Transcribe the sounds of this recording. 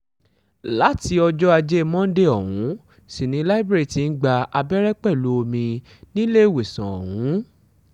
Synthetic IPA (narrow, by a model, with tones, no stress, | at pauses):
la˨˦ti˨˧ɔ˧d͡ʒɔ˦a˧d͡ʒe˦˧mɔ̃˦de˦ɔ˨wũ˨˦ | si˦˨nĩ˨˧˦la˦i˦bɾe˦ɾi˨ti˨n̩˦ɡ͡ba˧ʔa˧bɛ˦ɾɛ˦k͡pɛ˦˨lu˨˦o˧mĩ˧ | nĩ˦le˦i˦˨we˨sã˨ɔ̰˨wũ˨˦